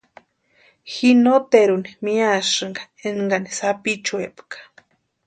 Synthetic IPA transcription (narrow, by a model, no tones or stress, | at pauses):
xinot̪eɾunimiaʂɨŋɡa | eŋɡanisapit͡ʃuepkḁ